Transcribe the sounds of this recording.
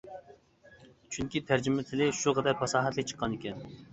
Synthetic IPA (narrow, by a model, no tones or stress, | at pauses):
t͡ʃʰyŋkʲit̪ʰæɾd͡ʒimɪt̪ʰɪlɪʃuqʰɑd̪ɛɾpʰɑsɑːɦɛt̪ʰlˠɨk̚t͡ʃʰə̥qːɑnikʲɛn